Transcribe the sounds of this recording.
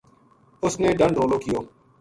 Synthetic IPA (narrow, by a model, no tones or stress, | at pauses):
ʊsneːɖəɳɾoːloːkɪjoː